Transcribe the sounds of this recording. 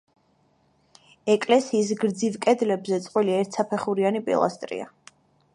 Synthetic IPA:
ɛkʼlɛsiːs̬ɡɾd̪zivkʼɛd̪lɛbzɛt̪sʼqʼwiliɛɾt̪ʰsapʰɛχuɾianipʼḭlˠa̰st̪ʼɾḭa̰

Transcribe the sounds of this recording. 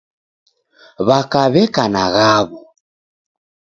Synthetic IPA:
βakaβɛkanaɣaβu

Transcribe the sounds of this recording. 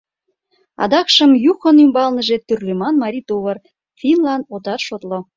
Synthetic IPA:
ɑ̰d̪ɑkʃə̆mjuxə̆nymbɑlnəʒet̪yrlemɑnmɑɾʲit̪oβər | finlɑnot̪ɑrʃot̪lo

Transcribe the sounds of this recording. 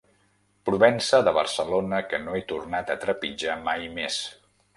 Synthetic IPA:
pɾuβɛnsəðəβə̰rsəlonəkənoɛt̪urnat̪ət̪ɾəpid͡ʒamajmes

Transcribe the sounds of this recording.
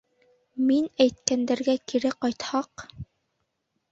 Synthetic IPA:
minæjt̪̚kænd̪æɾɡækiɾɘqɑjt̪hɑq

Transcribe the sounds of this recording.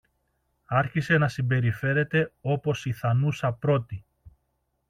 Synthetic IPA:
ɐɾçise̞nɐsimbe̞ɾife̞ɾe̞t̪e̞o̞po̞siθɐnusɐpɾo̞t̪i

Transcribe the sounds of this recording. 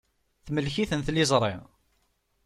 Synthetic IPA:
θməlçiθənθlizˤɾˤḭ

